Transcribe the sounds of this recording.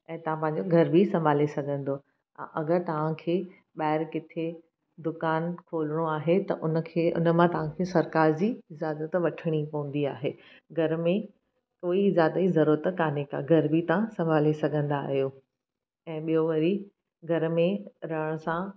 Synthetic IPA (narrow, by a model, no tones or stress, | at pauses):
ɛ̃ːt̪ɐʋ̤ãpɐ̃ɦɪ̃ɲ̆d͡ʑoɡʱɐɾbʱisɐ̃mbʱaːlesɐɡʱə̃nd̪o | ɐ̰̃ʔɐɡəɾt̪ɐʋ̤ãkʰeː | ɓaːɪɾkɪt̪ʰe | d̪ʊkaːnkʰoːlɽ̃oaːɦet̪ɐʔʊnə̆kʰeːʊ̰nə̆mãt̪ɐʋ̤ãkʰeːsɐɾkaːɾd͡ʑiːɪd͡ʑaːzət̪ʋɐʈʰəɽ̃ipɐ̃ʋũn̆d̪ia̰ːɦeː | ɡʱɐɾmẽ | koːiɪzaːd̪azɐɾuːɾət̪kaːneka̰ɡʱɐɾbʱit̪ɐʋãsɐ̃mbʱaːlesɐɡʱə̃nd̪a̰ːɦijoː | ɛ̃ːɓijoʋɐɾi | ɡʱɐɾmẽɾɐɽ̃əsã